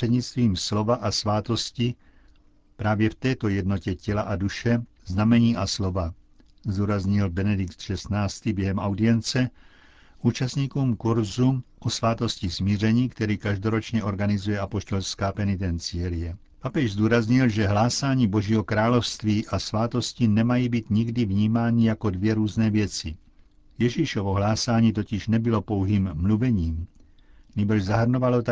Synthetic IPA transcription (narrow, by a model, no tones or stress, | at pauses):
ɛdɲit͡st̪viːmslovaʔasʋaːt̪osci | pɾaːvjɛft̪ɛːt̪ɔjɛd̪nocɛcɛlaʔad̪uʃɛ | znamɛɲiːʔaslova | zd̪uːɾazɲilbɛnɛd̪ɪkt̪ʃɛst̪naːst̪ibjɛɦɛmawd̪iɛnt͡sɛ | uːt͡ʃast̪ɲiːkumkuɾzuʔɔsʋaːt̪oscismiːrɛɲiːkt̪ɛɾiːkaʒd̪oɾot͡ʃɲɛɔɾɡanizujɛapoʃt̪olskaːpɛnit̪̬ɛnt͡sɪɛljɛ | papɛʒzd̪uːɾazɲilʒɛɦlaːsaːɲiːboʒiːɦɔkɾaːlɔwst̪ʋiːʔasʋaːt̪ɔscinɛmajiːbit̪ɲiɡd̪ivɲiːmaːnijakɔd̪ʋjɛɾuːznɛːvjɛt͡si | jɛʒiʃɔʋɔɦlaːsaːɲiːt̪̬ɔciʒnɛbilɔpɔʊɦiːmːluvɛɲiːm | ɲiːbr̩ʒzaɦr̩nɔʋalɔt̪